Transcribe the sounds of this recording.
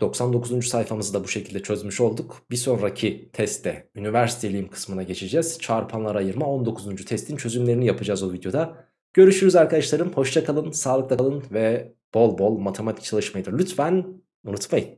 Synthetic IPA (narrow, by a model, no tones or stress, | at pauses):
d̪̥o̞ksand̪o̞kʰuzund͡ʒysajfamɯzɯd̪abuʃe̞cʰilʲd̪ɛt͡ʃʰø̞zmyʃo̞lˠd̪ukbiso̞nɾacʰit̪ʰɛst̪ʰːɛynivæɾsit̪ʰe̞lʲijimkʰɯ̥smɯnaɟe̞t͡ʃʰed͡ʒɛz̥t͡ʃʰaɾpʰanlˠaɾajɯɾmao̞nd̪o̞kʰuzund͡ʒyt̪ʰɛst̪ʰint͡ʃʰø̞zymlʲe̞ɾinijapʰɯd͡ʒaːzbuvid̪jo̞d̪a | ɟ̥ø̞ɾyʃyɾyzaɾkʰad̪aʃlˠaɾɯmho̞ʃt͡ʃʰakʰalˠɯnsaːlˠɯk̚t̪alˠɯnvɛ | b̥o̞lˠbo̞lˠmat̪ʰe̞mat̪ʰic̚t͡ʃʰalˠɯʃmajɯd̪ɯɾlʲyt̪fæn | unut̪majɯn